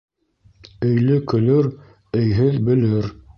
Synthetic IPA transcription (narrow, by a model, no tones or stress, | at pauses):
ɵ̆jlɘkɵ̆lɵɾ | ɵ̆jɦɘðbɘ̆lɘɾ